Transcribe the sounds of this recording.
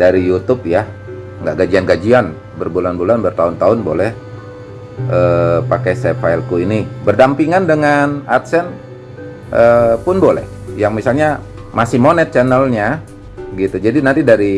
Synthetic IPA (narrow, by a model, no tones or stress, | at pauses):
daɾijut̪ʊp̚ja | ŋɡaʔɡad͡ʒianɡad͡ʒian | bərbulanbulanbərt̪aʊnt̪aʊnbo̰lɛh | ʔəpakɛsɛfailkuinibərdampiŋandəŋanat̪sɛn | ʔəpʊnbolɛ̰hjaŋmisalɲa | masɪhmonɛt̪̚t͡ʃanəlɲa | ɡit̪ud͡ʒadinant̪idaɾi